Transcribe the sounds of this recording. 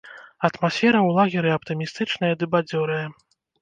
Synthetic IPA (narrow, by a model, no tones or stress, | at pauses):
ɐt̪masʲfʲɛɾɐwlˠaɣʲiɾɨɐpt̪ɨmʲist̪ɨt͡ʂnɐjɐd̪ɨbad͡zʲɔɾɨjɐ